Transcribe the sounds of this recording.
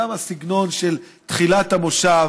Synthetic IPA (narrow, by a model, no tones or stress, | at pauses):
amasiɡno̞nʃelt̪χilat̪hamo̞ʃa